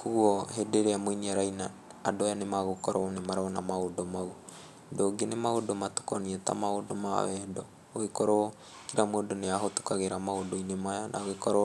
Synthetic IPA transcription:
kuɔɦedeɾeamoiniaɾainaː | dojanemaɣokɔɾoɔnemaɾaɔnamaodomau | doɡenemaodomato̥kɔniɛta̰maodoma̰wɛdɔ | oekɔɾoɔ | kiɾamwodoneaɦoto̥kaɣeɾamaodoinemajana̰ɣekɔɾo

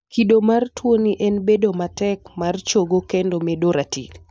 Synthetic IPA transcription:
kidomartwoniʔɛnbedomatɛkmart͡ʃoɡokendomedoɾatḭk

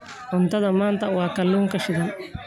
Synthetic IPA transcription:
ʕʊnt̪ʰɐðɐmaːnt̪ʰɐwɑːkɐlːuːŋkɐʃɪðɐn

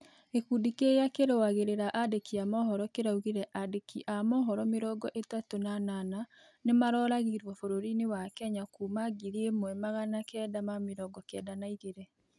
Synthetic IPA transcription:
ekudikeakeɾewaɣeɾeɾaʔadekiamɔɦɔɾɔkeɾauɣiɾɛʔadekiʔamɔɦɔɾɔmeɾɔɡɔʔetatonanana | nemaɾɔːɾaɣiɾwɔfoɾoɾinewakɛɲakuːmaɡiɾiemwɛmaɣanakɛːdamameɾɔɡɔkɛ̰danaiɣeɾɛ

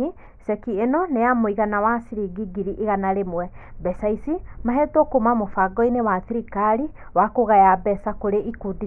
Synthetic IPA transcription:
i | sɛkienɔnejamoiɣanawasiɾiɡiɡiɾiʔeɣanaɾemwɛ | bɛsaisimaɦetɔkomamofaɡɔinewaθiɾikaɾiwakoɣajabɛsakoɾeikudi

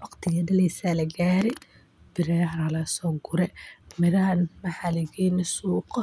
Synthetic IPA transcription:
wɑqt̪ʰɪjɐdɐlɛjsaːlɐɡaːɾɛ | b̥ɪɾɛɾɐlɐsɔːɡʊɾɛmɪɾɐɐnmɐħalɪɣinɛsuːqɔ

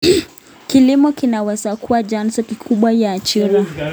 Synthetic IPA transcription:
kilimɔkinawɛsakuad͡ʒansɔkikʰuɓwajaːt͡ʃiɾa

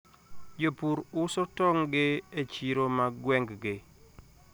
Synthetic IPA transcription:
d͡ʒopuɾʊsɔtɔŋɡɪet͡ʃiɾomaɡwɛŋɡɡɪ

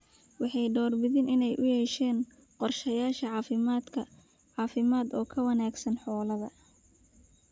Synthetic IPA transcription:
wɑħɑjɖɔːrbɪðɪnɪnɛjʔʊjɛʃɛːn | qɔrʃɐjaːʃɐʕɑːfɪmad̪kʰɐ | ʕɑːfɪmaːd̪ɔːkʰɐwɐnaːɡsɐnħɔːlɐðɐ

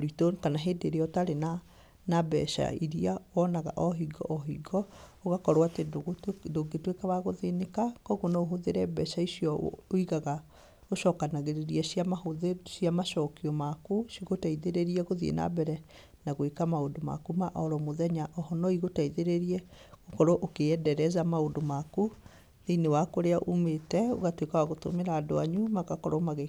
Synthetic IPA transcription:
oɾitokanaɦeːdeɾeɔtaɾena | nabɛ̰ʃa̰iɾiaoɔnaɣa̰ʔɔɦiɡɔ̰ʔɔɦiɡɔoɣakɔɾoatedoɡetwekɛβaɣoðenekakɔɣonaoɦoðeɾɛbɛʃaisiɔoiɣaɣa | oʃɔkanaɣeɾeɾiɛsiamahoðesiamaʃɔkiɔmakusiɣotaiðeɾeɾiɛɣoðḭna̰bɛɾɛ | naɣwekamaodoma̰kumaʔɔɾɔmoðɛɲaʔɔhɔnɔiɣotaiðeɾeɾiɛɣokɔɾɔʔokeɛdɛɾɛzamaodomaku | nenewakoɾeaʔumetɛo̰ɣatwekawaɣoto̰meɾaːdoaɲumakakɔɾɔmaɣe

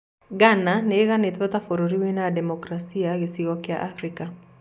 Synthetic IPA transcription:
ɡananɛːɣanet̪at̪afoɾoɾiwenadɛmokɾasiaɡesiɣɔkɪa̰ʔafɾika

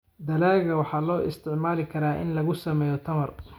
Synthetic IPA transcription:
d̪ɐlaːɣɐwɑħɑːlɔːʔɪ̰st̪ʰɪʕmaːlɪkʰɐɾaːʔɪ̰nlɐɣʊsɐmɛːjɔt̪ʰɐmɐr

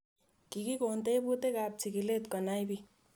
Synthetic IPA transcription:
kikikont̪ebut̪ekap̚t͡sʰikilet̪kʌnajbi

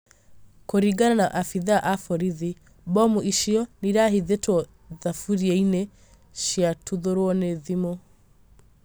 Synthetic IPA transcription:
koɾiɡananaʔafiðaʔafɔɾiði | bɔmuʔiʃiɔniɾaɦiðetwɔ | ðafuɾiɛine | ʃiatuðoɾwɔneðimo

